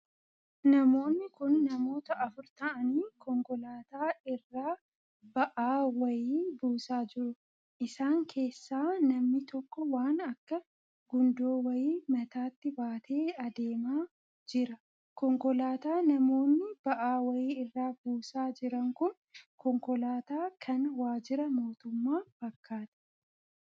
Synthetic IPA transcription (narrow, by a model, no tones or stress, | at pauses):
nɐmo̞ːnːɪkʊnːɐmo̞ːt̪ɐʔɐfʊɾt̪ɐʔɐniːkɔŋkɔlaːt̪aːɪrːaː | b̥ɐʔaːwɐjiːbuːsaːd͡ʒɪɾʊ | ʔɪsaːŋkʰe̞ːsːaːnɐmnɪt̪ɔkːɔwaːnɐkːɐ | ɡʊnd̪o̞ːwɐjiːmɐt̪aːt̪ːɪbaːt̪ʰe̞ːɐd̪e̞ːmaː | d͡ʒɪɾɐ | kɔŋkɔlaːt̪aːnɐmo̞ːnːɪb̥ɐʔaːwɐjiːɪrːaːbuːsaːd͡ʒɪɾɐŋkʊn | kɔŋkɔlaːt̪aːkʰɐnwaːd͡ʒɪɾɐmo̞ːt̪ʊmːaːfɐkːaːt̪ɐ̥